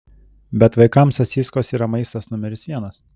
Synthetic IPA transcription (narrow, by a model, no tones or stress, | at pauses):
bʲɛt̪ʋɐɪkɐmsɐsʲiːskoːsiːɾɐmɐɪst̪ɐsnʊmʲɛɾʲɪsʋʲiɛnɐs